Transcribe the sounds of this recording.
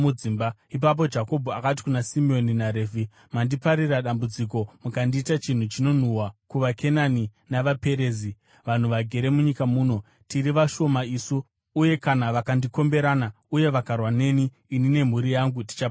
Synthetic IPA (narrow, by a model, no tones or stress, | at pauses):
uimbaip̬ap̬o̞d͡ʒako̞bʱoakat̬i̥kunasimio̞ninaɾeːvʱi | mandipaɾiraɗambud͡zik̬o̞mukandiːtat͡ʃin̤ut͡ʃino̞n̤uwakuʋakʰe̞naninaʋape̞ɾe̞ːzi | ʋan̤uʋaɡʱe̞ɾe̞muɲikamuːno̞ | tiɾiʋaʃo̞maisuː | je̞kanaʋakandiko̞mbe̞ɾana | uje̞ʋakarwane̞niː | nine̞m̤uɾijaŋɡuti̥t͡ʃa